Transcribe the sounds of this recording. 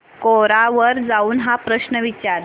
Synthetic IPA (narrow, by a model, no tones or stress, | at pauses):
koɾaʋəɾd͡zauːnɦapɾəɕnəʋit͡ɕaɾ